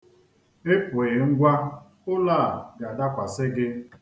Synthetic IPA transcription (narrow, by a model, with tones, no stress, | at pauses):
ɪ˦pʊ˨ɪ˨ŋ̩˦ɡʷa˦ | ʊ˦laː˦˨ɡa˨da˦kʷa˨sɪ˦ɡɪ˦